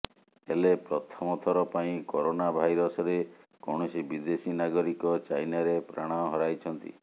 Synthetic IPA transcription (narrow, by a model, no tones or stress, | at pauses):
elepɾɔt̪ʰɔmɔt̪ʰɔɾɔpaĩkɔɾonabʱajɾɔsɔɾekɔɽ̃ɔsibid̪esinaɡɔɾikɔt͡ʃajnaɾepɾa̰ɽ̃aɦɔɾajt͡ʃʰɔnt̪ḭ